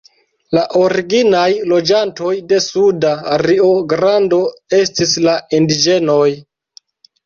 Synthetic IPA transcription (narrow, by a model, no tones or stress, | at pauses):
laʔo̞ɾiɡinajlo̞d͡ʒanto̞jde̞sudaːɾio̞ɡɾando̞e̞stislaindid͡ʒe̞no̞j